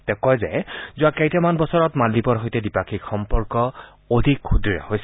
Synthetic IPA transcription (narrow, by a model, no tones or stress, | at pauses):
tɛkɔjzɛ̰zʊakejtɛmanbɔsɔɹɔtmalːipɔɹɦojtɛdipakʰikxɔmpɔɹkɔ | odʱikxudɹia̰hojsɛ